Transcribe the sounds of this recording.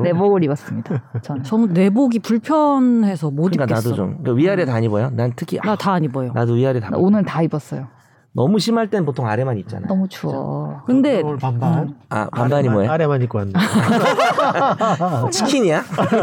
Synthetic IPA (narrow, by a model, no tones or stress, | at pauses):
ne̞boɡɯɾibʌs͈ɯmɲid̥at͡ɕʌnt͡ɕʌŋne̞boɡipuɭpʰjʌnɦe̞sʰʌmodikankenasdoo̰mkaɥiaɾetaɲibojonanntʰɯkʰianataːɲibojonadoɥiaɾitan̰onɯɭtaibʌs͈ʌjo | nʌmuɕʰimaɭt͈enp̬otʰoŋaɾe̞maɲit̚t͡ɕ͈a̰na̰nʌmut͡ɕuʌ̰kɯnde̞aa̰pambaɲimoeɾemaɲik͈oanː | t͡ɕikʰiɲija